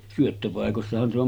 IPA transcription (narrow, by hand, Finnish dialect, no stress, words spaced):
syøtːøpɑˑekosːɑhɑn se om